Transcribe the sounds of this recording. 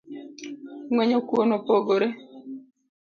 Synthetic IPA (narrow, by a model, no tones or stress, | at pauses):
ŋwɛɲokwonopoɡoɾe